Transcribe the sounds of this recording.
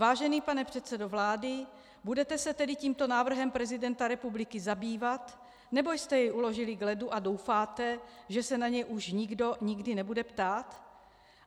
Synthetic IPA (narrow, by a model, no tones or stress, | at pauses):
vaːʒɛniːpanɛpr̥ɛt̪t͡sɛdovlaːdɪ | budɛt̪ɛsɛt̪ɛdɪciːmt̪o̞naːvr̩ɦɛmpɾɛzɪdɛnt̪aɾɛpublɪkɪzabiːvat̪ | nɛbo̞jst̪ɛjɛjʔulo̞ʒɪlɪɡlɛduʔado̞wfaːt̪ɛʒɛsɛnaɲɛjʔuʃɲɪɡdo̞ɲɪɡdɪnɛbudɛpt̪aːt̪